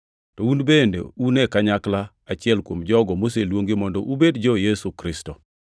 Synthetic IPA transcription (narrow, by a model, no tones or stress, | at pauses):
tɔunbendḛunɛkaɲakla | at͡ʃɪɛlkwomd͡ʒɔɡɔmos̬elwoŋɡɪmɔndɔʔubedd͡ʒɔjesukɾɪstɔ